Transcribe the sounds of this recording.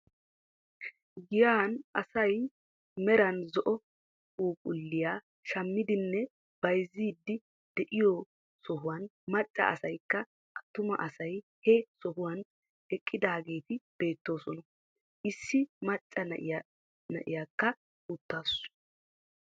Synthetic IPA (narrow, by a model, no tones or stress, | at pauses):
ɡɪjaːnʔɐsɐj | mɛɾɐnzɔʔɔ | uːkʼʊlːɪjaː | ʃɐmːɪd̪ɪnːɛ | b̥ɐjziːd̪ːɪ | d̪̥ɛʔɪjo | sɔhʊwɐnmɐt͡ʃʼːɐ̰ʔɐ̰sɐjkːɐ | ʔɐt̪ːʊmɐ̰ʔɐsɐj | hɛsɔɦʊwɐn | ɛkʼːɪd̪aːɡe̞ːt̪ɪb̥e̞ːt̪ːo̞ːsɔnɐ | ʔɪsːɪmɐt͡ʃʼːɐnɐʔɪja | nɐ̰ʔɪ̰jaːkːɐ | ʊt̪ːaːs